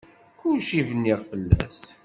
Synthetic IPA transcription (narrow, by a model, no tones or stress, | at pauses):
kʊʃivnːiʁfəlːæ̰s